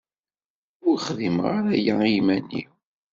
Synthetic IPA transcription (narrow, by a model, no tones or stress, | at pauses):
ʊɾχðimʁaɾæjaimænːḭ